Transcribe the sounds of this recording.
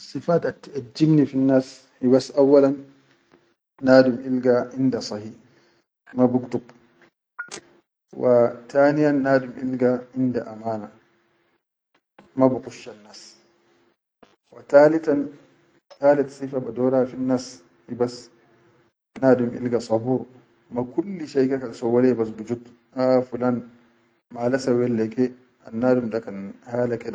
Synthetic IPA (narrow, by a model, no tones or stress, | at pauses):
sˤːɨfaːt̪at̪ːʔad͡ʒːibnifinːaːs | hibasʔawːalan | aːdumʔilɡaʔɪnd̪asˤɑhiː | mabukt̪ub | wat̪aːnijanːaːdumʔilɡaʔɪnd̪aʔamaːna | mabuqʊʃːanːaːs | wataːlitan | taːlit̪sifabadɔːɾafinːas | ibas | naːdumʔḭlɡasɑbuːɾ | makulːiʃajkɛkasɔwalɛbas̬bud͡ʒut | ʔafulan | malasawɛlːɛkɛ | ʔanːaːdumdakanhaːlakɛɗa